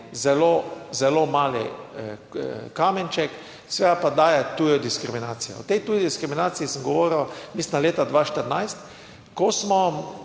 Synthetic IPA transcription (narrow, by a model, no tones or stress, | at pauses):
zɛlozɛlomaːlḭ | kaːmɛnt͡ʃɛk | sʋed̪apad̪aːjɛt̪uːjɔd̪iskɾiminaːsijɔ̰ɔt̪ɛjt̪uːjid̪iskɾiminaːsiisəmɡɔʋoːɾilamisnaleːt̪ad̪ʋaːʃt̪əɾnajst̪ | kɔsmɔ